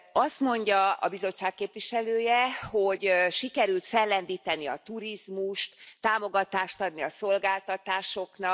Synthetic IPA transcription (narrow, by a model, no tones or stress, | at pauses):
ɒst̪mo̞ɲɟɒɒ̰bizo̞t͡ʃːaːkːeːpʋiʃɛløːjɛhoɟʃikɛɾylt̪fɛlːɛnd̪iːt̪ɛniɒt̪uɾizmuʃt̪ːaːmo̞ɡɒt̪aːʃt̪ɒd̪niɒso̞lɡaːlt̪ɒt̪aːʃo̞knɒ